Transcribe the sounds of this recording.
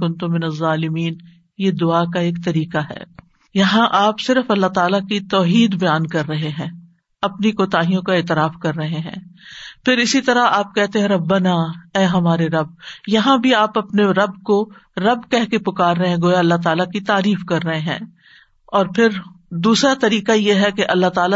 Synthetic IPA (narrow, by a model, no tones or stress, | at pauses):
kʊ̃nt̪umɪnɐzːaːlɪmiːn | jed̪ʊaːk̬aeːkt̪ɐɾiːkaɦɛ̰ː | jɐɦãʔaːpsɪɾəfɐlːaɦt̪aːlakit̪ɔːɦiːd̪bɐjaːnkɐɾːɐɦeɦɛ̃ː | ɐpnikoːt̪aːɦijõkaeːt̪ɪɾaːfkɐɾːɐɦeɦɛ̰̃ːpʰɪɾɪsit̪ɐɾaaːp̚kɛɦt̪eɦɛ̃ɾɐbːɐnaːɛːɦɐmaːɾeɾɐb̚jɐɦãbʱiaːpɐpneɾɐbkoɾɐbkɛɦkepʊkaːɾɐɦeɛ̃ɡoːjaɐlːat̪aːlakit̪aːɾiːfkɐɾːɐɦeɦɛ̰̃ː | ɔːɾpʰɪɾd̪uːsɾat̪ɐɾiːkajeɦɛkeʔɐlːat̪aːla